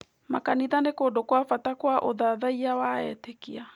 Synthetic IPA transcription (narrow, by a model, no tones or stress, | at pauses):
makaniðanekodokwafatakwaʔoðaðaiawaɛtekia